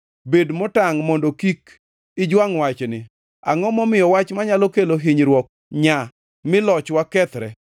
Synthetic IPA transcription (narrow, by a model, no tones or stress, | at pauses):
bedmɔtaŋmɔndokik | ɪd͡ʒwaŋwat͡ʃnɪ | a̰ŋɔmɔmɪjɔwat͡ʃmaɲalɔkeloɦiɲɾwɔk̚ | ɲa | mɪlɔt͡ʃwakɛt̪ɾɛ